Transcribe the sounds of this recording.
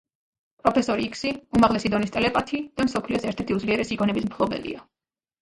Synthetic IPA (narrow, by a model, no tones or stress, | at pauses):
pʼɾɔpʰɛsɔɾikʰsiumaʁlɛsid̪ɔnist̪ʼɛlɛpʼat̪ʰid̪̥amsɔpʰliɔsɛɾt̪ʰɛɾt̪ʰiud̪zliɛɾɛsiɡɔnɛbismpʰlˠɔbɛ̰lḭa